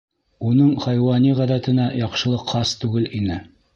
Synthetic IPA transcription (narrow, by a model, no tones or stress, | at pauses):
unɤɴχæjwɑniʁæðæt̪ɘ̆næjɑqʃɤ̆lˠɤqːɑst̪ʉɡɘlinɘ